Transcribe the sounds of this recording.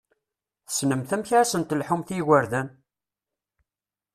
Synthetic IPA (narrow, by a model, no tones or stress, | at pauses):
θə̥snəmθəmçʕæsənt̪lħumθiɣəɾðæn